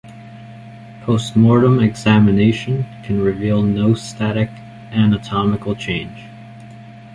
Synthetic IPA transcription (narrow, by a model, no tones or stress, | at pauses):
pʰoʊst̚mɔɹɾə̃mɨɡz̥æmɨneɪʃɨ̃nkʰɨ̃n̩ɹɨvilˠnoʊstæɾɨk | ænətʰɑmɨkl̩ˠt͡ʃʰẽɪ̃nd͡ʒ̥